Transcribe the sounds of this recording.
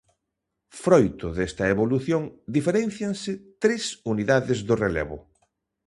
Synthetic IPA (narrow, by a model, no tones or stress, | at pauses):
fɾojt̪ʊðest̪ɐeβoluθjoŋd̪ifeɾẽnθjaŋsɪt̪ɾesuniðaðɪzðʊrelḛβʊ